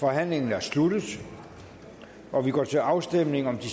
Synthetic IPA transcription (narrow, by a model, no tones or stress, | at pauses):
fɒ̽ɦæn̰le̝ŋn̩æɐslud̥ð̩ˠ | ɒʋiɡ̥ɒ̰ːt͡sʰe̝ɑ̈ʊsd̥emne̝ŋɒ̽md̥i